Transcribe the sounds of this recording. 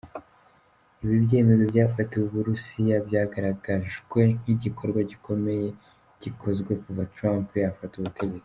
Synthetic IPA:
iβibɟe̞ːme̞zo̞bɟaːfatewuβuɾusijabjaːɡaɾaɡaʒɡwe̞niɟikʰo̞ɾɡwaɟikʰo̞me̞je̞ | ɟ̥ikʰo̞zɡwekuvatɾampjafatuβutʰe̞ɟe̞t͡si̥

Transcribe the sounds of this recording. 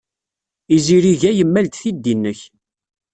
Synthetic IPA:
iziɾiʝæjəmːælt̪θid̪ːinːəç

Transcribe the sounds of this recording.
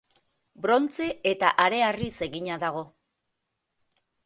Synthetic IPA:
bɾo̞nt͡se̞et̪aʔaɾe̞arise̞ɣiɲaðaɣ̞o̞

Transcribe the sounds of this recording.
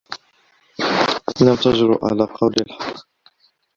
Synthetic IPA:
lamt̪aʒɾʊ̰ʕa̰laqʰɑwllħɑqː

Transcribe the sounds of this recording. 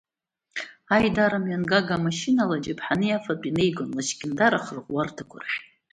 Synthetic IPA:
ajdaɾamɥanɡaɡamaʃinalad͡ʒʼɪpʰħanɨjafapʼinejɡʊnlaʃɡʲʼɪndaɾaχrqʷʼwartʰakʷʰʊ̰rħʷᶣ

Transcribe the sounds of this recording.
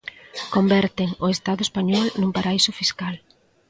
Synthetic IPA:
kombɛɾt̪eŋoest̪aðʊespaɲɔlnumpaɾaisʊfiskal

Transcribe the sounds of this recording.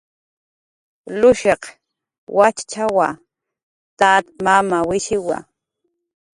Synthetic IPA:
lʊʃeq | wat͡ʃt͡ʃawa | t̪at̪mamawɪʃɪwa̰

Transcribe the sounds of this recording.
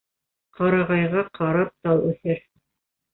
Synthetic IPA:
qɑɾɑʁɑjʁɑqʰɑɾɑp̚t̪ɑlˠʉθɘɾ

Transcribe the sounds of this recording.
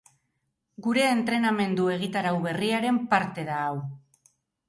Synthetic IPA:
ɡuɾe̞ːnt̪ɾe̞name̞nd̪ue̞ɣ̞it̪aɾawβe̞riaɾe̞mpaɾt̪e̞ðaːw

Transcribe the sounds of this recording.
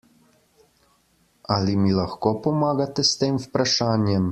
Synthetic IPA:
alimilaxkopɔmaːɡat̪ɛst̪eːmwpɾaʃaːnjɛm

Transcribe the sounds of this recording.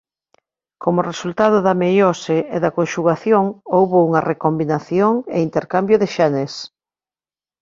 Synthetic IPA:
kʰomʊresult̪að̞ʊðɐmejoseeðɐkonʃuɣaθjoŋowβouŋɐrekombinaθjoŋḛint̪eɾkambjʊðɪʃanes

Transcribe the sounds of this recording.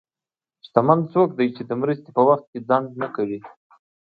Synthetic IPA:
ʃt̪amand̪t͡sok̚d̪ajt͡ʃed̪əmɾəst̪epəwaxt̪̚kʲed͡zɑŋɡnəkawi

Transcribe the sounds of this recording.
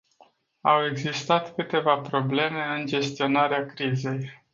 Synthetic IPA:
awe̞ɡzist̪at̪kɨt̪e̞vapɾo̞ble̞me̞ɨnd͡ʒe̞st̪io̞naɾeakɾize̞j

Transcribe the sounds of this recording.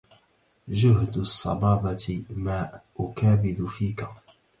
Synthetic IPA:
ʒʊɦd̪ʊsˤːɑ̰bɑːbɑmaːʔʊkaːbɪd̪ʊfiːka

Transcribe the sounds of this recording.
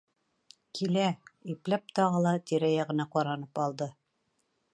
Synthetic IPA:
kʰilæiplæp̚t̪ɑʁɤlˠɑt̪iɾæjɑʁɤ̆nɑqɑɾɑnɤpɑlˠd̪ɤ

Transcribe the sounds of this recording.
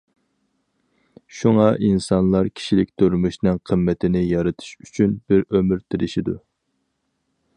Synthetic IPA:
ʃuŋɑʔinsɑnlˠɑɾkʲʰi̥ʃilɪk̚ʲt̪ʰøɾmuʃnɪŋqʰəmːɛt̪ʰɪnɪjɑɾɨt̪ʰu̥ʃyt͡ʃʰynbɪɾømyɾt̪ʰɪɾɪʃid̪u

